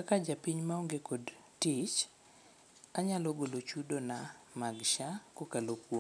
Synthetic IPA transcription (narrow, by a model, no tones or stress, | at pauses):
kakad͡ʒapiɲmaoŋɡekod | tit͡ʃ | aɲalɔɡolot͡ʃudonamaɡʃakokalopwo